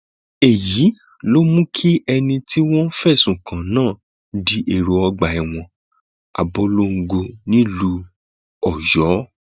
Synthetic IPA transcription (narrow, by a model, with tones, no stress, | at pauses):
e˨ji˨˦ | lo˦mũ˦kʰi˦ɛ˧nĩ˧ti˦w̃ɔ̃˦n̩˦fɛ˦˨sũ˨kʰã˨nãː˦˨ | di˨˦ʔe˦˨ɾo˨˧ɔ˧ɡ͡ba˨ɛ˨w̃ɔ̃˧ | a̰˨bɔ˧lo˦ŋ̩˧ɡo˧nĩ˦lu˧ | ɔ˨jɔ˨˦